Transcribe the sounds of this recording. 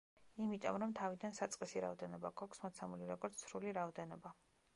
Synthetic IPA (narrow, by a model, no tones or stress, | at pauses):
imit̪ʼɔ̰mɾɔmt̪ʰavid̪ansat̪sʼqʼisiɾa̰ɔd̪ɛnɔbaɡɔkʰsmɔt̪sʰamuliɾɔɡɔɾt̪ssɾuliɾaɔd̪ɛnɔba